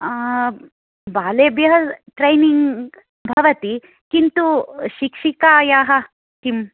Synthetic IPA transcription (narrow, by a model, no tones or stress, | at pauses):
baːleːbjɐɦɐʈɾɐjniŋɡ | bʱɐʋɐt̪i | kint̪uʃikʂikaːjaːɦɐ | t̪im